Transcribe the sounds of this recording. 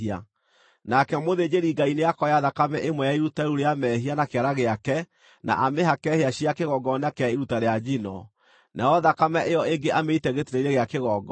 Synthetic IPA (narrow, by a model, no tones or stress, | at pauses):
ia | nakɛmoðed͡ʑeɾiɡaineakɔjaðakamɛʔemwɛjaiɾutaɾuɾeamɛɦianakeaɾaɣeakɛ | nʔa̰ʔameɦakɛheaɕiakeɣɔɡɔnakɛaiɾutaɾead͡ʑinɔ̰ | nʔaɔðakamɛʔejɔeŋɡeʔameitɛɣetiɾeiɾeɣeakeɣɔɡɔ